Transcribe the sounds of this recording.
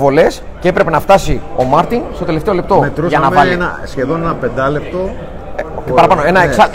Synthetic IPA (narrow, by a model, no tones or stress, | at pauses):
vo̞le̞s | ceepɾe̞pe̞nɐft̪ɐsio̞mɐɾt̪iŋst̪o̞t̪e̞le̞ft̪e̞o̞lept̪o̞met̪ɾusʝɐnɐmvɐlenɐsçe̞ðo̞nenɐpe̞nd̪ɐlep̚t̪o̞ | cepɐɾɐpɐnoe̞nɐesɐ